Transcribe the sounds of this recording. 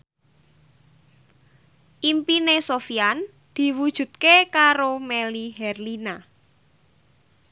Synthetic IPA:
ʔimpinesofian | d̪̥i̤wud̥ʒ̥ṳt̪̚kekaɾomelihɛrlina

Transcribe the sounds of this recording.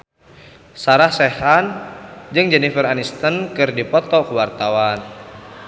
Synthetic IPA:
saɾahsɛhand͡ʒɨŋd͡ʒɛnifəranist̪ənkɨrdipɔt̪ɔkuwart̪awan

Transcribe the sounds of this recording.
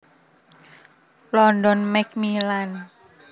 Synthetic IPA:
lɔːndonmɛk̚miːlan

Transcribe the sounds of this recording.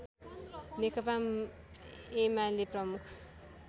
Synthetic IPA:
nekʌpa | emaleprʌmukʰ

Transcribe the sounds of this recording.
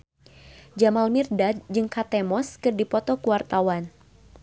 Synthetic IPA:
d͡ʒamalmirdad͡ʒɨŋkat̪ɛmɔskɨrdipɔt̪ɔkuwart̪awan

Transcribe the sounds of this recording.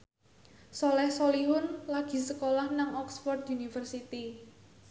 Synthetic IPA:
sɔlɛhsoliɦʊnlaɡ̥i̤səkolahnaŋɔksfɔrt̪unifərsit̪i

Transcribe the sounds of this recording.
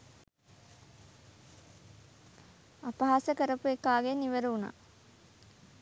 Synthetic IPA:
apaɦasəkəɾəpuekːaːɡeniʋəɾəuna̰

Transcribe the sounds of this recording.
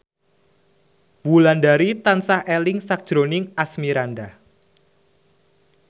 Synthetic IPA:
wulandaɾit̪ansahʔelɪŋsak̚d̥ʒ̥ɾonɪŋasmiɾanda

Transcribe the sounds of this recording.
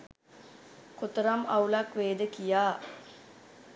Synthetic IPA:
kot̪əɾamaulakʋeːd̪əkijaː

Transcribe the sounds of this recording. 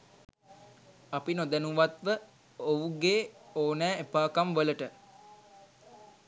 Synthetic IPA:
apinod̪ænuʋat̪ʋə | ouɡeːoːnɛːepaːkamʋələʈə

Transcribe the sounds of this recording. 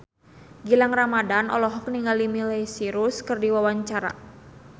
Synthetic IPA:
ɡilaŋramadanʔɔ̰lɔɦɔk̚niŋɡalimilɛjsiɾuskɨrdiwawaɲt͡ʃaɾa̰

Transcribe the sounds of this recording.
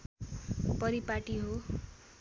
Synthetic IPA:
pʌɾipaʈiɦo

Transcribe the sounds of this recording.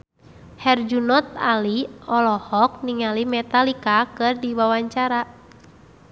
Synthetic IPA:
hɛrd͡ʒunɔt̪̚aliɔlɔhɔk̚niŋalimɛt̪alikakɨrdiwawaɲt͡ʃaɾa

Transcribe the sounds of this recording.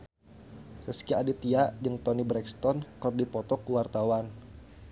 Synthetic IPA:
səskiadit̪iaʔd͡ʒəŋt̪ɔnibɾɛkst̪ɔnkərdipɔt̪ɔkuwart̪awan

